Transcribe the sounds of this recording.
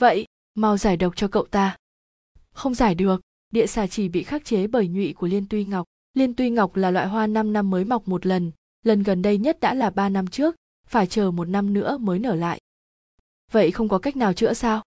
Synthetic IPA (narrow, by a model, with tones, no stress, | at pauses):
və̰˧˨jʔ | ma˨˩wzaː˧˩jɗə˨˩wk͡p̚t͡ɕɔ˧kə̰˧˨wt̪aː˧ | xə˧wŋ͡mzaː˧˩jɗɨ˨˩ək̚ | ɗḭ˧˨əsaː˧˩t͡ɕi˧˩ɓḭ˧˨xaː˦˥k̚t͡ɕe˨˦ɓəː˧˩jɲwḭ˧˨ku˧˩əli˧ənt̪wi˧ŋa˨˩wk͡p̚ | li˧ənt̪wi˧ŋa˨˩wk͡p̚laː˨˩lwa̰ː˧˨jɦwaː˧na˧mna˧mːəː˨˦jma˨˩wk͡p̚mo˨˩t̚lə˨˩n | lə˨˩nɣə˨˩nɗə˧jɲə˦˥t̚ɗa̰ː˧˥laː˨˩ɓaː˧na˧mt͡ɕɨ˦˥ək̚ | faː˧˩jt͡ɕəː˨˩mo˨˩t̚na˧mnɨ̰˧˥əməː˨˦jnəː˧˩la̰ː˧˨ʔ | və̰˧˨jxə˧wŋ͡mkɔ˨˦ka˦˥jk̚naː˨˩wt͡ɕɨ̰˧˥əsaː˧w